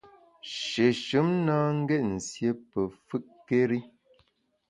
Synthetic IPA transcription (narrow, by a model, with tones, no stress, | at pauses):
ʃe˨ʃɨ˨˦mnaː˦ŋ̩˦ɡɛ˦t̚n̩˨sje˦pə˨fɨ˦ʔkːe˦ɾi˦